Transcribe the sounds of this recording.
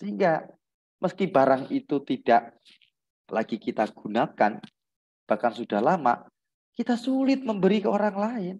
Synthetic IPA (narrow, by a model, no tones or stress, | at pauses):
səɦiŋɡa | mʔəskibaɾaŋit̪ut̪id̥aʔ | laɡ̥ikit̪aɡ̥unakan | b̥ahkansud̥ahlama̰ | kit̪asulɪt̪̚məmbəɾikəoɾaŋlaɪn